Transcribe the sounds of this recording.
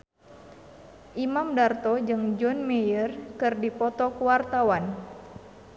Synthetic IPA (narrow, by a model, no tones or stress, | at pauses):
ʔimamdart̪ɔd͡ʒɨŋd͡ʒɔnmejərkɨrdipɔt̪ɔkuwart̪awan